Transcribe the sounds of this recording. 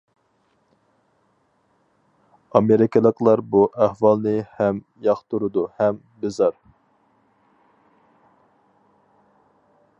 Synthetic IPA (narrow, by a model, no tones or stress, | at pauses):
ɑmeɾɪkʰʲɪlˠəqlˠɑɾbuʔæhwɑlˠnɨhɛm | jɑχt̪ʰuɾud̪uhɛm | bɪzɑɾ